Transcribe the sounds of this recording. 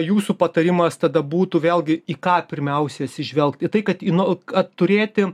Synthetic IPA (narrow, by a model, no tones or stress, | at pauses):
juːsuːpɐt̪ɐɾʲɪmɐst̪ɐd̪ɐbuːt̪uːʋʲeːlˠʲɡʲɪikɑːpʲɪɾʲmʲɛʊsʲɛɐt̪ʲsʲɪʒʲʋʲɛlˠk̚t̪ɪt̪ɐɪkɐt̪inoɐtt̪ʊɾʲeːt̪ʲɪ